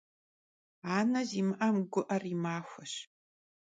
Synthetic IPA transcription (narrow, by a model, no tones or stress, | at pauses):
aːnɐzimɨʔɐmɡʷʊʔɐrimaːxʷaʃ